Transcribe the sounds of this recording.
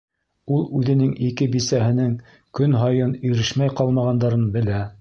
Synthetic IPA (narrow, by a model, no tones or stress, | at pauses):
ulˠʉðɘ̆nɘŋikɘbisæɦɘ̆nɘŋ | kɵnɦɑjɤnɵ̆jɾɘʃmæjqɑlˠmɑʁɑnd̪ɑɾɤnbɘ̆læ